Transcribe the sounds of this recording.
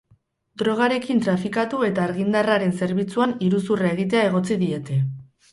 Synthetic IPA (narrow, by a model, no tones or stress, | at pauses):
d̪ɾo̞ɣ̞aɾe̞kint̪ɾafikat̪ue̞t̪aːɾɣind̪araɾe̞nse̞ɾβit͡suaniɾusurae̞ɣ̞it̪̬e̞ae̞ɣ̞o̞t͡siðie̞t̪e̞